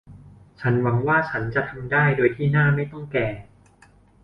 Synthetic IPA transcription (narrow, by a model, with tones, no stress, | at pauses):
t͡ɕʰa˦˥nwa˩˦ŋwaː˥˩t͡ɕʰa˦˥nt͡ɕa˨˩t̪ʰa˧mdaː˥˩jdoː˧jt̪ʰiː˥˩naː˥˩ma˥˩jt̪ɔ˥˩ŋkɛː˨˩